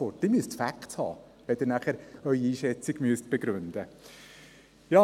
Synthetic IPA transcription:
fɔrt̚d̥̪ɪmyəstfækthɑ̰ː | ʋɛd̥̪ɪːɾnæχəɾœʏiiːʃɛt͡siɡ̥myəst̚b̥eɡɾʉnd̥̪ə | jɑː

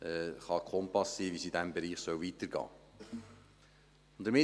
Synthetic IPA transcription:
ɛχɑkʰɔmpɑsːivisidæmbɛɾiːχsœwvitəɾɡ̥ɑ̰ː | ʊnd̥əɾmɪ

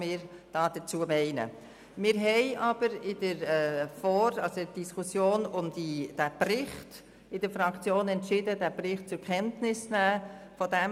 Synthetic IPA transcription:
mɪːɾd̥ɑːd̥ət͡suəmɛɪnə̰ | mɪːɾɦɛɪʔɑb̥əɾɪdəɾfɔɾɑlsoəd̥iskʰusjoːnʊmd̥id̥æprɪχt | ɪd̥əɾfɾɑkt͡sjoːnɛntʃɪdədæprɪχt̚t͡sʊɾkʰɛntnɪsnæːfɔdɛ

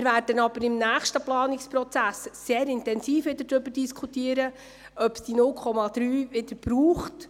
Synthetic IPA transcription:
ɪɾvæːɾd̥ənɑb̥əɾɪmnæːχʃtəplɑːnɪkspɾɔt͡sæsːeːɾɪntɛnsiːfʋɪdəd̥ɾʏbəɾd̥iskʰutiːəɾə | œpsd̥inʊlkʰɔmɑd̥̪ɾyːʋɪdəɾb̥ɾuːχt

